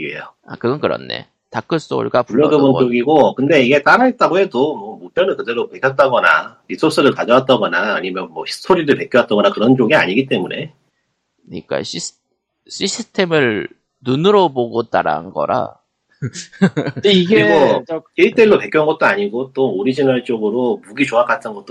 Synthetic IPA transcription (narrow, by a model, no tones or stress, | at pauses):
iḛjoa̰kɯɡʌnkɯɾʌ̰nːe̞̰ | tak͈ɯs͈o̰ɭɡapuːʌɡɯbɯnt͡ɕoɡiɡokɯnde̞iɡe̞t͈aɾait͈aɡoɦe̞domwʌmop͈jʌnɯnkɯde̞ɭːopekʰjʌt̚t͈aɡʌna̰ɾis͈ʰos͈ɯɾɯɭkad͡ʑʌwat̚t͈aɡʌnaːɲimjʌnmwʌɕʰi̥stʰoɾidɯɭpe̞kʰjowat͈̚aɡʌnakɯɾʌnt͡ɕoɡia̰ɲiɡit̬͈e̞mune̞̰ | ɯɲḭk͈a̰ɕʰis | ɕʰisʰɯtʰemɯɭ | nunɯɾʌboɡot͈a̰ɾa̰nɡʌ̰ɾa̰ | iɡɡokeɭt͈elːope̞kʰjunŋɡʌt̚t͈oaɲiɡot͈ooɾid͡ʑinaɭt͡ɕ͈oɡɯɾomuɡit͡ɕoak͈atʰɯnɡʌt̚t͈o